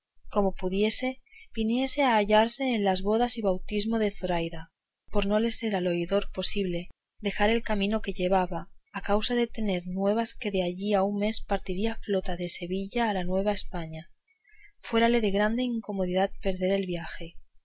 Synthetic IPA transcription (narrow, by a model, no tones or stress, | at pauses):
ko̞mo̞puðje̞se̞b̥inje̞se̞aːʎaɾse̞ːnlazβo̞ð̞asiβawt̪izmo̞ð̞e̞θo̞ɾajða | po̞ɾno̞le̞se̞ɾalo̞iðo̞ɾpo̞siβle̞ | ðe̞xaɾe̞lkamĩno̞ke̞ʎe̞β̞aβaːkawsaðe̞t̪e̞ne̞ɾnwe̞β̞aske̞ðe̞aʝiauŋme̞spaɾt̪iɾiaflo̞t̪aðe̞se̞βiʎaːlanwe̞β̞ae̞spaɲa | fwe̞ɾale̞ðe̞ɣ̞ɾand̪eiŋko̞mo̞ðiðat̪̚pe̞ɾðe̞ɾe̞lβjaxe̞